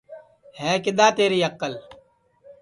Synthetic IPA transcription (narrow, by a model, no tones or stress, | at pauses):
hɛːkɪd̪aːt̪eːɾiːɐqːəl